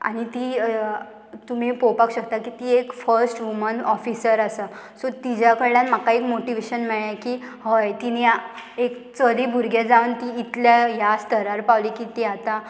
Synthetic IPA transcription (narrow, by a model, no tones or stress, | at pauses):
a̰ɽ̃it̪iː | t̪um̤ipopakɕəkt̪akit̪iekfəɾsʈʋumənɔfisəɾasa | sot̪id͡ʑakəɾljãnmakaikmoʈiʋeɕənmɛɭjakihəjt̪iniaekt͡səlibʱuɾɡjad͡zaʋnt̪iːt̪ljajast̪əɾaɾpaʋlikit̪iat̪a